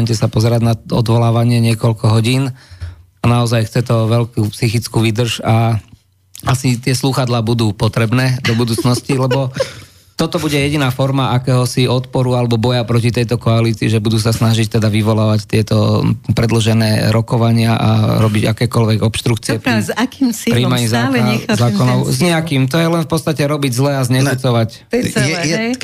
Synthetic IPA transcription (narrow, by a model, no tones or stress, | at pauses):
ɲcɛsapɔzɛɾaɟnaɔ̰d̪ʋɔlaːʋaɲɪɛɲɪɛkɔʎkɔɦɔɟiːn | anaɔzajxt͡sɛt̪ɔʋɛʎkuːpsixit͡skuːʋid̪r̩ʒa | asit̪ɪɛsluxad̪laːbud̪uːpɔt̪ɾɛbnɛːd̪ɔbud̪uːt͡snɔscilɛbɔ | t̪ɔt̪ɔbuɟɛjɛɟinaːfɔɾmaʔakɛːɦɔsiɔt̪pɔɾualɛbɔbɔjapɾɔcit̪ɛjt̪ɔkɔaliːt͡siːʒɛbud̪uːs̬asnaʒict̪ɛd̪aʋiʋɔlaːʋact̪ɪɛt̪ɔpɾɛd̪lɔʒɛnɛːɾɔkɔʋaɲɪaʔa̰ɾɔbiɟakɛːkɔlʋɛɡɔpʃt̪ɾukt͡siɛpzakimspɾimaɲizaɛzaːkɔnɔʊzɲɛakiːmt̪ɔjɛlɛnfpɔt̪t͡st̪acɛɾɔbiɟzlɛazɲɛkut͡sɔʋac̪ | jɛjɛ